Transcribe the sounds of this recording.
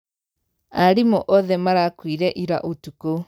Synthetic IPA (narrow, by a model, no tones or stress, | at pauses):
aɾimɔʔɔðɛmaɾakwiɾɛʔiɾa̰ʔotuko